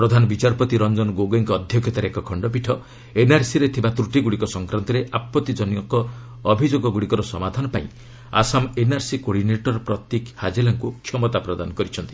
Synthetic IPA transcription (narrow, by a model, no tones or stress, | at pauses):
pɾɔd̪ʱanɔbit͡ʃaɾpɔt̪iɾɔnd͡ʒɔnɔɡoɡeŋkɔːd̪ʱjɔkʰjɔt̪aɾeekɔkʰɔɳɖɔp̬iʈʰɔ | enaɾsiɾet̪ʰibat̪ɾuʈiɡuɽikɔsɔŋkɾant̪ɔɾeʔapːɔt̪id͡ʒɔnijɔkɔː | bʱid͡ʒoɡɔɡuɽikɔɾɔsɔmad̪ʱanɔpaĩ | a̰samenaɾsikoɽineʈɔɾɔpɾɔt̪jekhad͡ʒelaŋkukʰjɔmɔt̪apɾɔd̪anɔkɔɾit͡ʃʰɔnt̪i̥